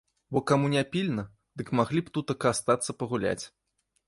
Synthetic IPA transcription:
bɔkamunʲapʲilʲnɐ | d̪ɨkmaɣlʲipt̪ut̪ɐkast̪at̪sːɐpɐɣulʲa̰t͡sʲ

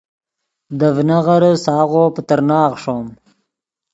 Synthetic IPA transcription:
d̪əvnaɣaɾsɑːɣopət̪əɾnɑːɣʂom

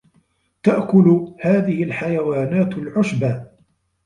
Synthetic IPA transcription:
t̪aʔkʊlʊhaːðɪhɪlħajawaːnaːt̪lʕʊʃbaː

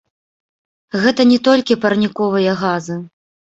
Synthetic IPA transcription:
ɣɛt̪ɐnʲɛt̪ɔlʲkʲipɐrnʲikɔvɨjɐɣazɨ

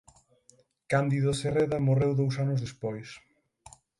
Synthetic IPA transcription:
kand̪iðʊsereðɐmorewðowsanʊzðespɔjs

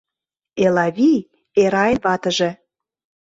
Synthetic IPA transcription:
elɑβʲij | eɾɑenβɑt̪ə̆ʒĕ

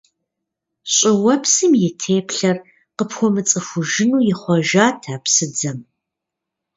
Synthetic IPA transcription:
ɕʼɪwɐpsɨmjɪtʰeːpʰɬɐr | qəpxʷɔmɨt͡sʼɨxʷʊʒɪnuːjɪχʷɔʒaːtʰaːpsɨd͡zɐm

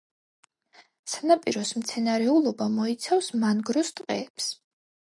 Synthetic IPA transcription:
sanapʼiɾɔsmt̪sʰɛnaɾɛulˠɔbamɔit̪sʰafsmanɡɾɔst̪ʼqʼɛːps

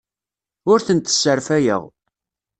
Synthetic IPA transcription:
ʊɾθənt̪ə̥sːəɾfæjə̰ʁ

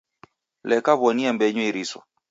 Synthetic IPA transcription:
lɛkaβɔniambɛɲwiɾisɔ̰

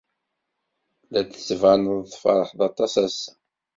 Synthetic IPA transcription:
læd̪səvʕanəððˤfɑɾˤəħðˤɑt̪ˤːɑsæs

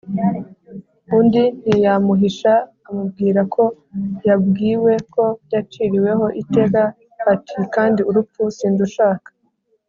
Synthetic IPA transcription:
undin̥hijamuɦiʃaː | mub̚ɡiːɾakʰo̞ | jab̚ɡiːwe̞ko̞jat͡ʃiɾiwe̞ɦo̞ʔite̞ɡa | hatʰikaːndiuɾupusiːnzuʃaːkḁ

